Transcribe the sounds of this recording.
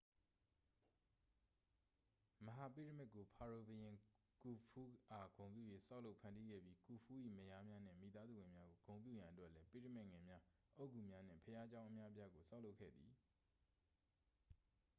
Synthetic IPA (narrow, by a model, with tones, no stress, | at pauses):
məɦa˨pi˦˨ɾə˦˨mɪ˦ʔkːo˨pʰa˨ɹo˨bə˨jɪ̃˨ | ku˨pʰu˦ʔa˨ɡ̥õ˨ʊ̃mp̬jṵ˦˨je˨sa˦ʊlo˦pʰã˨ndi˦ɡɛ̰˦˨bji˦ku˨pʰu˦ʔḭ˦˨məja˦mja˦n̥ɪ̰̃˦˨mḭ˨t̪a˦zu˦˨wɪ̃˨mja˦ɡo˨ɡ̥õ˨ʊ̃mp̬jṵ˦˨jã˨ʔətwɛ˦ʔlɛ˦pḭ˦˨ɾə˦˨mɪ˦ʔŋɛ̃˨mja˦ʔo˦˨ku˦˨mja˦n̥ɪ̰̃˦˨pʰəja˦t͡ɕã˦ʊ̃ʔə˨mja˦ʔəpja˦ɡo˨sa˦ʊʔlo˦ʊkʰːɛ̰˦˨d̪ði˨